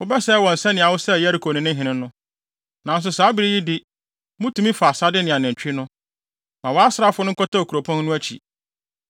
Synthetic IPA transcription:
wʊ˦bɛ˦sɛː˦wɔ̃˨n̩˨sɛ̃˦nɪ̃˨a˨wʊ˦sɛ˦˨jɛ˦æ˦ɾi˨kʰo˨nɪ̃˨nɪ̃˦ɦɪ̃˨nɪ̃˦ʊ̃˦ | nã˨n̩˦s̬ʊ˨saː˨˦bi˦ɾi˦ji˦dɪ˦ | mʊ̃˦tũ˨˦mĩ˦fa˨sa˦dɪ˦nɪ̃˨a˨nɪ̃˨ɲ̩˨t͡ɕᶣɪ˦nʊ̃˦ | mã˨wɔ˨˦a˦sɾa˦fʊ˦ʊ̃˦ŋ̩˦kʰɔ˦ta˦o˨kʰu˨ɾo˨pʰɔ̃˦nnʊ̃˦æ˦t͡ɕʰḭ˨

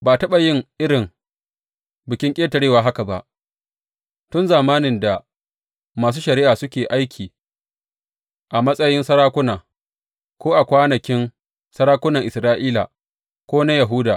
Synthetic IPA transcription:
baː˨tɐ˦ɓa˨jɪ˦ŋʔɪ˦ɽɪ˨ŋ | bɪ˨kʲɪ˦ŋkʲʼeː˦tɐ˨ɽeː˦˨waː˨ɦa˦ka˨ba̰˨ʔ | tʊ˦nzaː˨maː˦nɪ˨nda˨ | maː˨s̬uː˦ʃɐ˨ɾɪ˦ʔaː˨sʊ˦kʲeː˨ʔa˦jkʲʰiː˨ | ʔa˨mɐ˦sʼɐ˦jɪ˦nsɐ˦ɾaː˦kʷʊ˦naː˨ | kʷoː˦ʔa˨kʷaː˦nɐ˨kʲɪ˦n | sɐ˦ɾaː˦kʷʊ˦nɐ˨ŋʔɪ˨sɾaː˦ʔiː˦la̰˨ | kʷoː˦na˦jɐ˨ɦʊuː˦daː˨

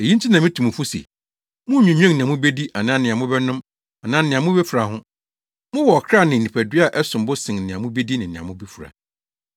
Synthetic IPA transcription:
e˨ji˦t͡ɕʰi˦nã˨mɪ̃˦tʰu˨mũ˨fu˦sḛ˨ | mʊ̃˦ɲᶣĩ˨ɲᶣ˦ɛ̃˦˨nɪ̃˨ã˨mʊ̃˦be˦di˦ʔa˨nãː˦nɪ̃˨ã˨mʊ̃˦bɛ˦nʊ̃˦m | a˨nãː˦nɪ̃˨a˨mʊ̃˦be˦fu˨ɾa˨hʊ̃˦ | mʊ̃˦wɔ˨ɔ˨kʰɾa˦˨nɪ̃˨ĩ˨pʰæ˨dɥa˦˨ʔɛ˦sʊ̃˨m˦bʊ˦sɪ̃˨ŋ˨nɪ̃˨ã˨mʊ̃˦be˦di˦nɪ̃˨nɪ̃˨ã̰˨mʊ̃˦be˦fu˨ɾa̰˨

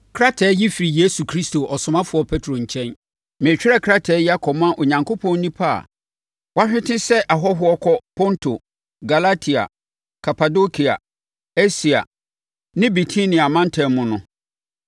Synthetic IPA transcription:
kʰɾa˦tʰɛː˨˦ji˦fi˨ɾi˨je˦su˨kʰɾi˦stʰo˨ʔɔ˨sʊ̃˨mã˦fʊ˨ɔ˦pʰe˦tʰɾo˨ɲ̩˨t͡ɕʰɛ̃˦n | mɪ̃˨t͡ɕᶣɪ˦ɛ˦˨kʰɾa˦tʰɛː˨˦ja˦kʰɔ˨mã˦ʔo˨ɲã˨ŋkʰo˦pʰɔ̃˦n˦nĩ˦pʰa̰˦˨ | wa˦ɕᶣɪ̃˦tʰɪ̃˦sɛ˦ʔa˨ɦɔ˦ɦʊ˦ɔ˦kʰɔ˦pʰɔ̃˦ntʰo˨ | ɡa˨la˦tʰi˨a̰˨ | kʰa˨pʰa˨do˦kʰi˨a̰˨ | e˦si˨a̰˨ | nɪ̃˦bi˨tʰi˦nĩ˨a˨mã˦n˦tʰɛ˨mʊ̃˨nʊ̃˦

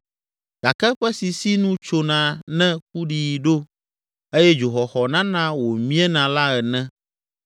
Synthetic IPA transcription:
ɡ̥a˨kɛ˦ɸɛ˦si˨si˦nũ˦t͡ʃo˨nã˨nɛ̃˦k̚u˦ɖi˨ɖo˦ | e˦jɛ˦d͡ʒo˨xɔ˨xɔ˨nã˦nã˦wo˨mĩ˦ɛ˦nã˨la˦ɛ˨nɛ̃˦

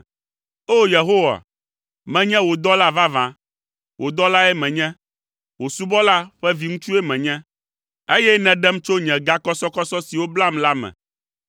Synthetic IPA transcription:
o˦je˨ɦo˦wa̰˨ | mɛ̃˨ɲɛ̃˦wo˨d̪ɔ˦la˦va˦vã˨ | wʔo˨d̪ɔ˦la˦ɛ˦mɛ̃˨ɲɛ̃˦ | wo˨su˦bɔ˦la˦ɸɛ˦vi˨ŋũ˦t͡ʃu˦ɛ˦mɛ̃˨ɲɛ̃˦ | e˦jɛ˦nɛ̃˨ɖɛ˦m˦t͡ʃo˦ɲɛ̃˨ɡa˦kɔ˦sɔ˦kɔ˦sɔ˦si˨wo˦bla˦mla˦mɛ̰̃˨

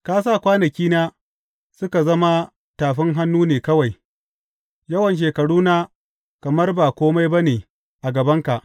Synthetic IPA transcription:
kaː˦s̬aː˦˨kʷaː˦nɐ˨kʲiː˦naː˦ | sʊ˦ka˨zɐ˦ma˦ | taː˨ɸɪ˦ŋɦa˦nːuː˦neː˨kɐ˦wa˨j | jɐ˦wɐ˨nʃ̬eː˨kɐ˨ɽuː˦naː˦ | kɐ˨mɐ˦rbaː˨kʷoː˦ma˦jba˦neː˨ | ʔa˨ɡɐ˨bɐ˦ŋka˨ʔ

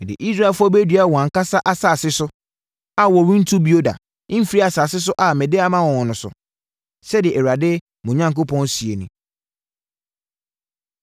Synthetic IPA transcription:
dɪ̰˨ʔi˦sɾa˦˨fʊ˦ɔ˦be˦dɥa˦˨wɔ˨a˨ŋ̩˨ka˦sa˦ʔa˦sa˨sɪ˦sʊ˦ | a˨wɔ˨ɾĩ˦n̩˦tʰu˦bi˦o˦dã̰˨˦ | fi˦ɾi˦a˨saː˨sɪ˦s̬ʊ˦ʔa˨mɛ̃˨dɪ˦a˦mã˦wɔ̃˨wɔ̃˨nʊ̃˨sʊ̰˨ | sɛ˦dɪ˨ɪ˨ʔɛ˨wa˨dɪ˦ | mʊ̃˨ɲã˦ŋkʊ˦pʰɔ̃˦n˦si˨e˨nũ˨

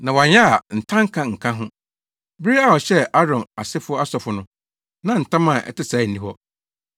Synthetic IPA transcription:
nã˨wa˨ɲ˦a˦a˨n̩˨tʰã˦ŋ̩˦kʰã˦ŋ̩˨kʰã˦ɦʊ̃˦ | bɪ˦ɾi˦a˦wɔ˨ɕɛ˦ʔa˦ɾɔ̃˨na˨sɪ˦fʊ˦ɔ˦a˦sɔ˨fʊ˨nʊ̃˦ | nã˦n̩˨tʰã˦mã˨ʔɛ̰˨tɪ˦sa˨˦˨n̩˨nĩ˦hɔ˦

